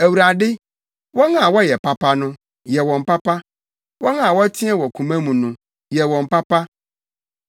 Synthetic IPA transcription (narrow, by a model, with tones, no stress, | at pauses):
æ˨wu˨ɾa˨dɪ˦ | wɔ̃˦nã˨wɔ˦jɛ˨pʰa˦pʰa˦nʊ̃˦ | jɛ˨wɔ̃˨m̩˨pa˦pa˦ | wɔ̃˦ŋã˨wɔ˦tʰɪ̃˦ɛ˦wɔ˨kʰũ˨mã˦mũ˨nũ˦ | jɛ˨wɔ̃˨m˨pa˦pa˦